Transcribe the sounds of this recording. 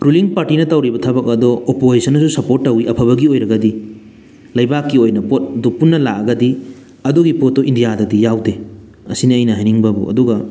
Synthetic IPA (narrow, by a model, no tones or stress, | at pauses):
ɾuliŋpaɾtinɐtɐwɾibɐtʰabɐk̚ɐdɔːpozisʰɐnɐsusɐpoɾt̚ːɐwiʔɐpʰɐβɐɡiojɾɐɡɐdi | lɐjbakːiojnɐpot̚dupunːɐlakɐɡɐdi | ɐdoɡipot̚ːɔʔindijadɐdijawde | ɐsinɐɐjnɐɦajniŋbɐbṵɐ̰duɡɐ